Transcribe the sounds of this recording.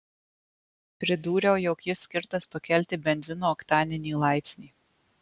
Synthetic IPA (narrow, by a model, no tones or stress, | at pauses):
pʲɾʲɪd̪uːɾʲɛʊjɔkjɪsʲːkʲɪɾt̪ɐspɐkʲɛlʲˑt̪ʲɪbʲɛnʲzʲɪnoːɔkt̪ɑːnʲɪnʲiːlˠɑˑɪpʲsʲnʲiː